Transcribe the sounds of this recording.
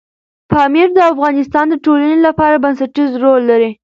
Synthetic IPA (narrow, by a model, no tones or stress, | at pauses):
pɑmiɾd̪əafɣɑnɪst̪ɑnd̪əʈolanelapɑɾabansaʈizɾolːaɾi